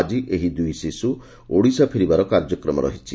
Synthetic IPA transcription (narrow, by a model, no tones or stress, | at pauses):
d͡ʒiʔeɦid̪ujsisu | oɽisapʰiɾibaɾɔkaɾd͡ʒjɔkɾɔmɔ̰ɾɔ̰ɦit͡ʃi